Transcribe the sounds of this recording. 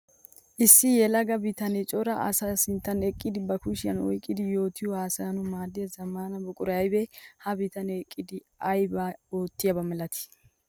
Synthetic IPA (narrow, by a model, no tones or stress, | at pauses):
ʔɪsːɪjɛlɐɡɐbɪt̪ɐnɛt͡ʃʼɔɾɐʔɐ̰sɐsɪnt̪ːɐnɛkʼːɪd̪ɪbɐkʊʃɪjɐnɔ̰jkʼːɪd̪ɪjo̞ːt̪ɪjʊhaːsanʊmaːd̪ɪjɐzɐmaːnɐbɔkʼʊɾɐjɐjbɛhɐbɪt̪ɐnɛkʼːɪd̪ɪ | ɐjbao̞ːt̪ːɪjɐbɐmɛlɐt̪ɪ̥